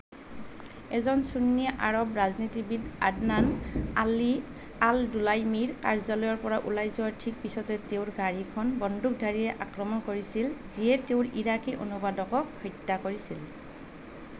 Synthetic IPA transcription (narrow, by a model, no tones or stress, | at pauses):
ɛzɔnsunːiaʔaɹɔbɹaznitibida̰dnanli | aldulajmiɹkaɹzɔlɔjɔɹpɔɹaʔulajzɔaɹtʰik̚pisɔtɛteʊɹɡaɹikʰɔnbɔndʱuk̚dʱaɹijɛʔakɹɔmɔnkoɹisilziɛteʊɹiɹakiʔo̰nubadɔkɔkhʰɔjtːakoɹisil